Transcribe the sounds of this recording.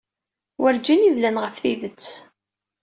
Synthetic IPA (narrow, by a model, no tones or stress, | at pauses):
wʔəɾd͡ʒiniðlænʁəfθiðət͡sː